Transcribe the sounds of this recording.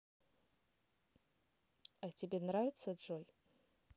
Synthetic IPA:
atʲɪbʲenravʲɪt̪səʐolʲ

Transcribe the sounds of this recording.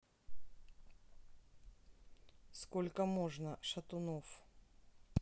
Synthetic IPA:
skolʲkəmoʐnəʂɐt̪ʊnof

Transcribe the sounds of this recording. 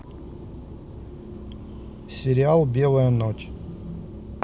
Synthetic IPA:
sʲɪɾʲɪalˠbʲelˠəjənot͡ɕ

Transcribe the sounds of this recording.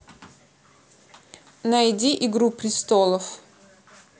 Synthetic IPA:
nɐjdʲiʔiɡɾupɾʲɪst̪olˠəf

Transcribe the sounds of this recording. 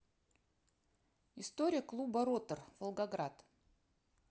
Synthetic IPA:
ɪst̪oɾʲɪjəklˠubɐɾot̪ərv̥əlˠɡɐɡɾat̪

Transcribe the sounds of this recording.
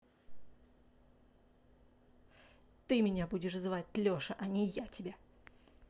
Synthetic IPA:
t̪ɨmʲɪnʲabudʲɪʂzvat̚ʲlʲoʂəʔɐnʲɪjatʲɪbʲa

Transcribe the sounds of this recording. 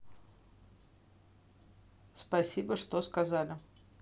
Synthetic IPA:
spɐsʲibəʂt̪oskɐzalʲɪ

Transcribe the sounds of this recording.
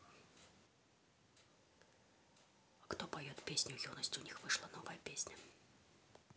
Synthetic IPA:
ɐkt̪ɔpajɔt̪ʲpʲesʲnʲujɔnɐsʲtʲunʲixvɨʂlˠɐnɔvɐjɐpʲesʲnʲɐ

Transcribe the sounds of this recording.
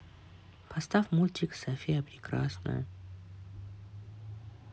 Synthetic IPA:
pʰast̪afmulʲt̪ʲiksafʲijəpɾʲɪkɾa̰snə̰jə̰

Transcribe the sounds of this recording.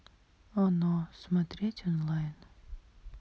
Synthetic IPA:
ɔnosmɐt̪ɾʲetʲɔnlˠajn

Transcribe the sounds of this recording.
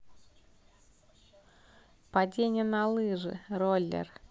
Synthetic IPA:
pad͡zʲenʲːɛnɐlˠɨʐɨ̰rɔlʲːɛ̰r

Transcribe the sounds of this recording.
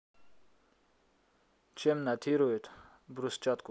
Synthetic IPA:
t͡ʃemnat̪ʰiɾoet̪ʰ | bɾust͡ʃat̪ku

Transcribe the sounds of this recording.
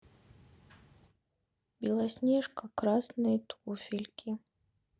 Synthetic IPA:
bʲilˠɐsʲnʲɛʂkɐkɾasnɨjt̪ufʲilʲkʲʰi

